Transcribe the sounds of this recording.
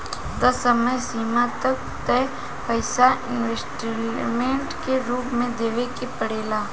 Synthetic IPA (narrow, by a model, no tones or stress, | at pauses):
d̪ɐsəməjsiːmat̪ɐk̚ | t̪ɛ | pəɪsaʔɪ̃nʋesʈɾmẽɳʈkeɾuːpmẽd̪eːʋekepəɽeːlaː